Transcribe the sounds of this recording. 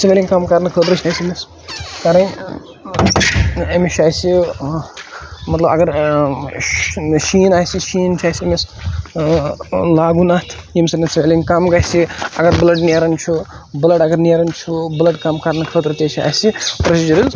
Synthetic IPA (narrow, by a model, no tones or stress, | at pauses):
simelʲiŋʲkɐmkɐɾnɨkʰəːt̪ɾɨt͡ʃʰaːsiemis | kɐɾɐn | ɐmiʃʰaːjsi | mɐt̪lɐbɐɡɐɾ | ʃiːnaːjsiʃiːnt͡ʃʰaːsiɐmis | laːɡunat̪ʰjimsɐnesmʲelʲiŋʲkɐmɡɐjsiɐ̰ɡɐɾblɐɖneːɾɐnt͡ʃʰu | bɨlɐɖɐɡɐɾneːɾɐnt͡ʃʰublɐɖkɐmkɐɾnɐkʰəːt̪ɾɨt̪et͡ʃʰia̰ːsipɾɐsid͡ʒɐɾiz